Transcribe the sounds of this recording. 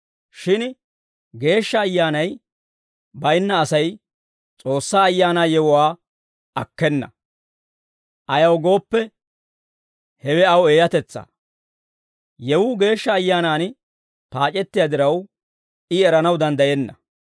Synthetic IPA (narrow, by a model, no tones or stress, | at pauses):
ʃɪn | ɡe̞ːʃːɐːjːaːnɐj | bɐjɪnːɐːsɐj | t͡sʼo̞ːsːaːjːaːnaːjɛwʊwaː | ɐkːɛnːɐ̰ | ʔɐjɐwɡo̞ːpːɛ | hɛwɛɐweːjɐt̪ɛt͡sːa̰ | jɛwʊɡe̞ːʃːɐːjːaːnaːn | paːt͡ʃʼɛt̪ːɪjad̪ɪɾɐw | ɪɛɾɐnɐwd̪ɐnd̪ɐjɛnːɐ